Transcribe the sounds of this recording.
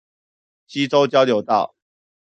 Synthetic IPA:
ɕi˦t͡so˦ʊt͡ɕjɑ˥˦ʊljo˨˩ʊt̪ɑ˥˨ʊ

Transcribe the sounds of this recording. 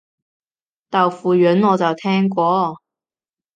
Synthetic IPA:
t̪ɐ˨wfuː˨ɥœ˨˥nɔː˨˧t͡sɐ˨˩wt̪ʰɛː˥ŋkʷɔː˧

